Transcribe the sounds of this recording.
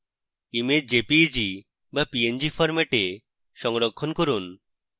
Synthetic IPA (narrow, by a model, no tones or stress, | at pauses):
imed͡ʒepid͡ʒi | bapiend͡ʒifʰɔɾmeʈe | ʃɔŋɾɔkʰːɔnkɔɾun